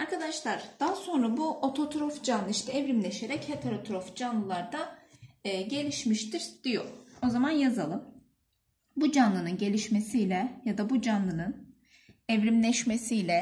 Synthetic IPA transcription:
aɾkad̪aʃlˠaɾ̥d̪̥aɦaso̞nɾabuʔot̪ʰo̞t̪ʰɾofd͡ʒanlˠɯiʃt̪ʰɛɛvɾimlʲeʃe̞ɾɛchet̪ʰeɾot̪ʰɾofd͡ʒanlˠɯlˠaɾd̪aː | ɟe̞lʲiʃmiʃt̪ʰiɾd̪̥ijo̰o̞zamanjazalˠɯm | bud͡ʒanlˠɯnɯnɟe̞lʲiʃmesijlʲɛjad̪abud͡ʒanlˠɯnɯn | ɛvɾimlʲɛʃmesijlʲɛ

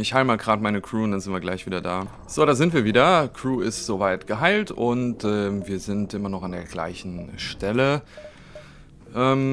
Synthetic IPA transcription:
ɪçhaɪləmaːlɡʁaːtmaɪnəkʁ̥uːʊntd̥anzɪntviɐɡlaɪçv̥iːdɐda̰ː | z̥oːɾaːzɪntv̥iːɐviːdɐkʁ̥uːɪstz̥ovaɪtɡ̥əɦaɪltʊntʔɛːmviːɐzɪntʔɪmɐnɔχandeːɐɡla̰ɪçn̩ʃtɛlə | ʔɛːm

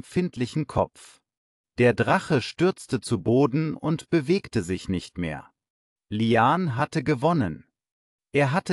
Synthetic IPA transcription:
fɪntʰlɪçn̩kʰɔ̰pp͡f | d̥eːɐdʁaχəʃtʏɐt͡stət͡suboːdn̩ʊntb̥əveːktəzɪçnɪçtmḛːɐ | liaːnɦatəɡəvɔnən | ʔeːɐɦatə

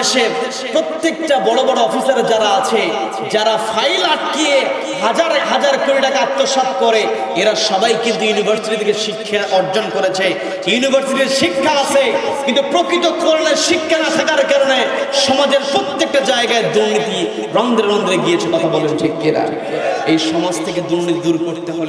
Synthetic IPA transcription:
ʃeɾ | pɾot̪ːekʈabɔɽobɔɽoɔfisaɾd͡ʑaɾaat͡ɕʰe | d͡ʑaɾafʰajlaʈ̚kije | ɦad͡ʑaɾɦad͡ʑaɾkoɾiʈakaak̚t̪ːoʃat̪kɔɾe | eɾaʃɔbajkint̪ujunibʱaɾsiʈid̪ikeʃikʰːeɾɔɾd͡ʑonkoɾet͡ɕʰe | junibʱaɾsiʈiɾʃikʰːaat͡ʃʰe | kint̪upɾokɾit̪̬okoɾeneɾʃikʰːanat̪ʰakaɾkaɾoneʃɔmad͡ʑeɾpɾot̪ːek̚ʈad͡ʑaeɡaed̪uɾnit̪i | ɾɔnd̪ʱeɾɾɔnd̪ɾeɡijet͡ɕʰekɔt̪ʰabɔlend͡ʑeɡeɾa̰ | ejʃɔmod͡ʑt̪ʰeked̪uɾnit̪id̪uɾkoɾt̪eɦol

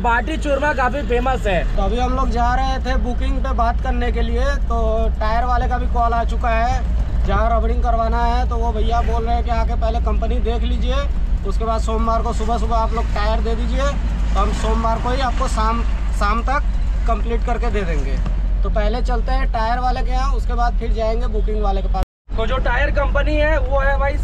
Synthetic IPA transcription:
paːʈit͡ʃʊɾmakaːpʰipeːməsɦɛːt̪oɐbʱiɦɐ̃mloːɡd͡ʒaːɾɐɦet̪ʰebʊkɪ̃ŋɡpebaːt̪kɐɾnekeliet̪oːʈaːɪjəɾʋaːlekabʱikɔːlaːt͡ʃʊkaɦɛd͡ʒɐɦãɾɐːbɽɪ̃ŋɡkɐɾʋaːnaɦɛt̪oʋobʱɐjaboːlɾəɦẽkeaːkepɛɦlekɐ̃mpənid̪eːkʰliːd͡ʒieʊskebaːd̪soːmːaːɾkosʊbʱəsʊbʱaaːploːɡ̚ʈaːjəɾd̪eːd̪iːd͡ʒie | t̪oɦɐmsoːmbaːɾkoɦiaːp̚kosaːm | saːmt̪ɐkː | ə̃mpliːʈkɐɾked̪eːd̪ẽːŋɡeːt̪opɛɦlet͡ʃɐlt̪eɦɛ̃ʈaːjəɾʋaːlekeɦãʊskebaːd̪̚pʰɪɾd͡ʒaːẽːŋɡebʊkɪ̃ŋɡʋaːlekepaː | t̪od͡ʒoʈaːjəɾkɐ̃mpəniɦɛʋoɦɛbaːi

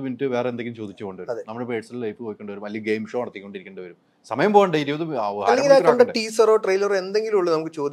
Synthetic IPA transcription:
ʋintːɨʋe̞ːrend̪eŋɡilumt͡ɕo̞ːd̪it͡ɕːɨkoɳɖɨʋɐɾuɐmðenɐmːɐɽepeːɖsɐlilɐjpːɨpoːjikʲːo̞ɳɖɨʋɐɾumʋɐlijɐɡejmʂo̞ːɐɽɐt̪ːikʲːo̞ɳɖiɾikʲːeɳɖɨʋɐɾum | sɐmɐjɐmpoːɣɐɳɖejiɾiɐðɨa̰ɐlːeŋɡilaːkːɐɳɖɐɖʈiːsɐro̞ːʈrɐjlɐre̞nd̪eŋɡilmuɭːɐnɐmukːɨt͡ɕo̞ːd̪i

